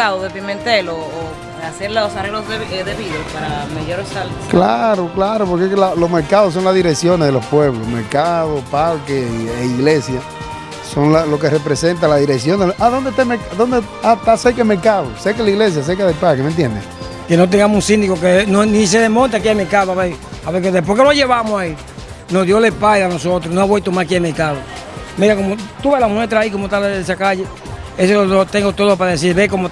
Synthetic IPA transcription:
aðoðepimẽnt̪eloː | aseɾlosareɣloseðeβiðospaɾameʝoɾesalesklaɾoklaɾopoɾkekelalosmeɾkaðos̬o̞ŋlazðiɾeksjo̞ne̞zðelospwe̞βlosmeɾkaðopalkeieiɣlesja | soŋlalo̞kerepɾese̞nt̪alaðiɾeks̬jo̞nd̪eʔaðo̞nd̪et̪emekaðo̞nd̪e | at̪asekemekaβosekelaiɣles̬jas̬ekaðelpakement̪jḛnd̪ḛŋ | kenot̪̬eŋɡamoũnsind̪ikokenonis̬eðemõnt̪akiaemeɾkaðoaβe | aβekeðepoɾkenoʝeβamosai | noðjolepalanosot̪ɾonoaβwelt̪omaskiameɾkaðomeɾakomot̪uβelamwet̪ɾaikomot̪alesakaʝe | esoot̪eŋɡot̪oðopaðes̬iɾβekomo

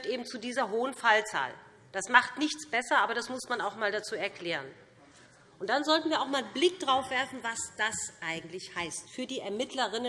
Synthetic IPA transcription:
tʔeːbm̩t͡sudiːzɐɦoːənfalt͡sa̰ːl | d̥asmaχtnɪçt͡sb̥ɛsɐʔaːbɐɾasmʊsmanaʊxmaːldat͡suːɛɐkl̥ɛːʁən | ʔʊntd̥anzɔltn̩viːɐaʊxmaːlblɪk̚d̥ʁaʊfv̥ɛɐfn̩vasd̥asʔaɪɡŋ̩tlɪçhaɪstfyːɐdiːɛɐmɪtʰləʁɪnə

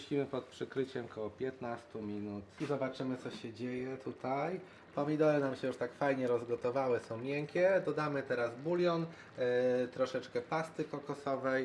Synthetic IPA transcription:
ɕʲimɘpɔt̪̚pʂɘkɾɘt͡ɕɛmkʰɔwɔpʲjɛt̪nast̪umʲinut̪izɔbat͡ʂɘmɘt̪sɔɕɛd͡ʑejɛt̪ʰut̪ʰaj | pɔmʲid̪ɔlɛnamɕɛjuʂt̪akfajɲɛɾɔzɡɔt̪ɔvawɘsɔ̃w̃mʲjɛŋkʲɛd̪ɔd̪amɘt̪ɛɾazbulʲjɔn | t̪ɾɔʂɛt͡ʂkɛpast̪ɘkɔkɔsɔvɛj

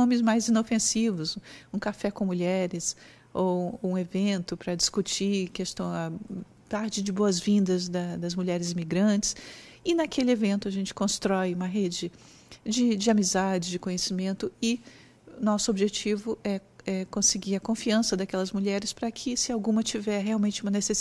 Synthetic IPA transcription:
nõmɪzmajzĩnofẽsivʊsũkafɛkõmuʎɛɾɪs | owũevẽnt̪ʊpɾɐd͡ʒiskut͡ʃikest̪ɐ̃ɐ | t̪aɾd͡ʒɪd͡ʒɪboɐzvĩnd̪ɐzd̪ɐd̪ɐzmuʎɛɾɪzimiɡɾɐ̃t͡ʃɪ̥sɪnɐkʰelɪevẽnt̪ʊɐʒẽnt͡ʃɪ̥kõst̪ɾɔjũmɐɦed͡ʒɪ | d͡ʒɪd͡ʒɪamizad͡ʒɪd͡ʒɪkõɲesimẽnt̪ʊɪ | ʊnɔsʊobiʒet͡ʃivʊʔɛɛkõsɪɡiɾɐkõfiɐ̃sɐd̪ɐkɛlɐzmuʎɛɾɪspɾɐkʰɪsɪawɡũmɐt͡ʃivɛɾɦeawmẽnt͡ʃɪũmɐneses

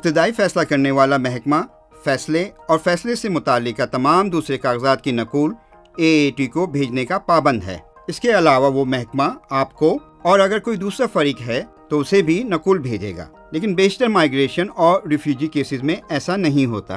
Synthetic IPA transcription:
ɪp̚t̪ɪd̪aːifɛːslakɐɾneʋaːlamɛɦɛkma | fɛːsleɔːɾfɛːslesemʊt̪aːlːɪkːat̪ɐmaːmd̪uːsɾekaːɣzaːt̪̚kinɐquːl | eːʈikobʱeːd͡ʒnekapaːbə̃nd̪ɦɛ̰ː | ɪskeɐlaːʋaʋomɛɦɛkmaaːpko | ɔːɾɐɡəɾkoːid̪uːsɾafɐɾiːkɦɛ | t̪oʊsebʱinɐkuːlbʱeːd͡ʒḛːɡa̰ː | leːkɪnbeːsʈəɾmaːɪɡɾeːʃənɔːɾːɪfjuːd͡ʒikeːsɪzmẽɛːsanɐɦĩɦo̰ːt̪a̰

